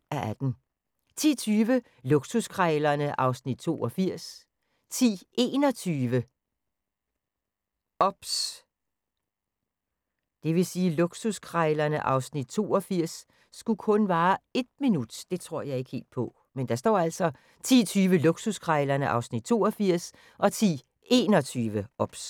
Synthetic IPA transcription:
ʔæʔæd̥n̩ | t͡sʰḭːt͡sʰyːʋə | loɡ̥suskʰʁɑlɐnəʔɑ̈ʊsnid̥̚t͡sʰo̝̰ːʔɒfiɐ̰s | t͡sʰḭːʔe̝ːnɒ̽t͡sʰyːʋə | ɒb̥s | d̥e̝ʋe̝siːloɡ̥suskʰʁaɪlɐnəʔɑ̈ʊsnid̥̚t͡sʰo̝ːɒ̽fiɐ̰sː | ɡ̥ukʰɔ̽nʋɑ̈ːe̝d̥minud̥d̥e̝t͡sʰʁo̝ɐ̰jɑ̈ɪe̝ɡ̥he̝̰ːld̥̚pʰɔ̽ | mend̥ɑ̈sd̥ɒ̰ːæl̰sɒ̽ | t͡sʰḭːt͡sʰyːʋəloɡ̥suskʰʁɑɪlɐnəʔɑ̈ʊsnid̥̚t͡sʰo̝̰ːɒfiɐ̰s | ʔɒ̽t͡sʰḭː | e̝ːnɒ̽t͡sʰyːʋəʔɒ̽b̥s

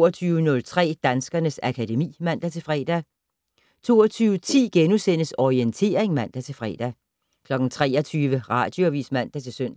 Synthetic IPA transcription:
ɐt͡sʰyːʊənɔ̽lt͡sʰʁɛ̰ːd̥ænsɡ̥ɐnəsækʰæd̥e̝mḭːmæn̰d̥æt͡sʰe̝fʁɛːd̥æ | t͡sʰo̝̰ːɐt͡sʰyːʊət͡sʰḭːɡ̥enusen̰əsɒient͡sʰe̝̰ːɐeŋmæn̰d̥æt͡sʰe̝lfʁɛ̰ːd̥æ | kʰlɒ̽ɡ̥n̩t͡sʰʁɛ̰ːɐt͡sʰyːʋəʁɑ̈d̥joæʋḭːsmæn̰d̥æt͡sʰe̝lsøn̰

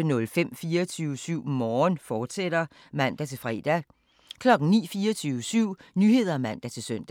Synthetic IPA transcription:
ənɔ̽lfem̰fiːɐt͡sʰyːʊəsyʊ̰mɒːnfɒːd̥sed̥ɐ | mæn̰d̥æt͡sʰe̝lfʁɛ̰ːd̥æ | kʰlɒ̽ɡ̥n̩nḭːfiːɐt͡sʰyːʊəsyʊ̰nyhe̝ð̰ˠɐmæn̰d̥æt͡sʰe̝lsøn̰d̥æ

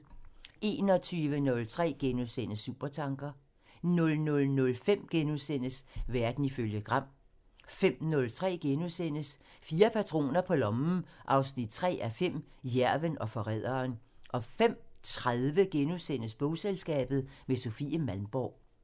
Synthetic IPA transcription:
ʔe̝ːnɒ̽t͡sʰyːʋənɔ̽lt͡sʰʁɛ̰ːɡ̥e̝nosenəsṵːb̥ɐt͡sʰɑ̈ŋɡ̥ɐ | nɔ̽lnɔ̽lnɔ̽lfem̰ɡ̥enusen̰əsʋæɐd̥n̩iføljəɡ̥ʁɑ̈m̰ | fem̰nɔ̽lt͡sʰʁɛ̰ːɡ̥e̝nusenəsfiːɐpʰæt͡sʰʁo̝̰ːnɐpʰɒ̽lɒ̽mn̩ʔɑ̈ʊsnid̥̚t͡sʰʁɛ̰ːæfem̰ | jæɐ̰ʋənɒ̽fɒ̽ʁɛ̰ð̰ˠɐːn | ʔɒ̽fem̰t͡sʰʁaðˠʋəɡ̥enosen̰əsb̥ɔʊselsɡ̥ɛ̰ːb̥ð̩ˠmeso̝fḭəmælmb̥ɒʊ̰

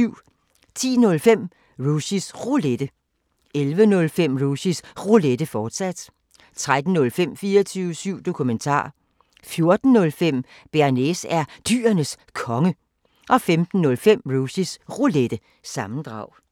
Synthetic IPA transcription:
yʊ̰ | t͡sʰḭːnɔ̽lfem̰ | ʁusisʁoled̥ə | elʋənɔ̽lfem̰ʁusisʁuled̥əfɒːd̥sæd̥ | t͡sʰʁad̥n̩ːɔ̽lfem̰fiːɐt͡sʰyʊəsyʊ̰d̥o̝kʰument͡sʰɑ̰̈ː | fjo̝ɐd̥n̩ːɔ̽lfem̰ | b̥eɐnesæɐd̥y̰ːɐnəs | kʰɒ̽ŋə | ʔɒ̽femd̥n̩ːɔ̽lfem̰ʁusisʁuled̥ə | sɑ̈mn̩d̥ʁɑ̈ʊ̰

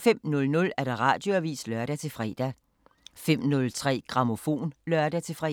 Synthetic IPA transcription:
fem̰nɔ̽lnɔ̽læɐɾ̥ɑ̈ʁɑ̰̈ːd̥jo̝æɐʋḭːslɶɐɾ̥æt͡sʰe̝fʁɛd̥æ | fem̰nɔ̽lt͡sʰʁɛ̰ːɡ̥ʁɑ̈mo̝fo̝̰ːnlɶɐd̥æt͡sʰe̝fʁɛ̰

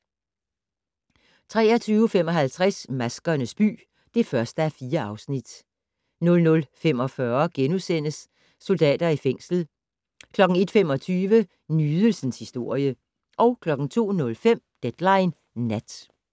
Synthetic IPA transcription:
t͡sʰʁɛ̰ːɐt͡sʰyːʊfem̰ɒ̽ɦælt͡sʰʁasmæsɡ̥ɐnəsb̥y̰ː | d̥e̝fɶɐsd̥əæfiːɐɑ̈ʊsnid̥ | nɔ̽lnɔ̽lfem̰ɒ̽fɶɐɡ̥enusen̰əsː | o̝ld̥ɛ̰ːd̥ɐifeŋ̰sl̩ | kʰlɒ̽ɡ̥ŋ̩e̝d̥femɒ̽t͡sʰyːʋə | nyːðˠəl̩sən̩shisd̥o̝ɐ̰jə | ʔɒ̽ʊkʰlɒ̽ɡ̥ŋ̩t͡sʰo̝̰ːnɔ̽lfem̰d̥ed̥lɑ̈ɪnː | æd̥

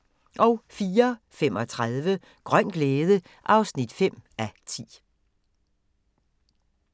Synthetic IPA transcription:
ʔɒ̽ʊfiːɐ | fem̰ɒ̽t͡sʰʁaðˠʋə | ɡ̥ʁɶn̰ɡ̥leːð̞ˠə | ʔɑ̈ʊsnid̥fem̰æt͡sʰḭː

